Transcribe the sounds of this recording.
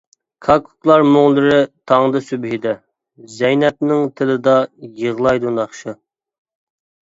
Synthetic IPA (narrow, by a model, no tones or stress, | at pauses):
kʰɑkʰu̥klˠɑɾmoŋlˠɨɾɪt̪ʰɑŋd̪ɨsybɦɪd̪ɛ | zɛjnɛt̪̚nɪŋt̪ʰɪlɪd̪ɑjəʁlˠɑjd̪unɑχʃɨ